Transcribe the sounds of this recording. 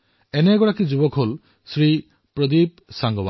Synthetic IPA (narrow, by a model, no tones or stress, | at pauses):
eneɡɔɽakid͡ʒubɔkʰɦol | sɾi | pɾɔd̪ip̚ | saŋɡɔba